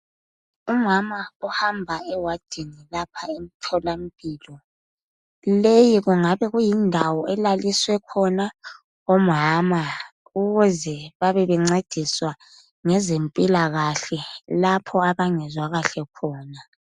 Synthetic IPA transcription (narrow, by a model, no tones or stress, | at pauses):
umamaɔhambʱaɛwad̥ʱinilapʰaem̩tʰɔlam̩pʼiːlɔ | lejiɣuŋaβɛɣujindʱawɔɛlaliswɛkʰɔna | omɦama | uɣuzɛβaβɛβɛŋ͡ǀed̥ʱiswa | ŋɛzempʼilaɣaɬɛlapʰɔaβaŋɛzwaɣaɬɛkʰɔːna